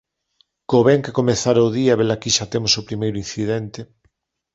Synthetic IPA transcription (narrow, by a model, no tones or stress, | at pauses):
koβɛŋkekomeθaɾɐoðiɐβelakiʃat̪emosopɾimejɾʊĩn̟θiðɛnt̪e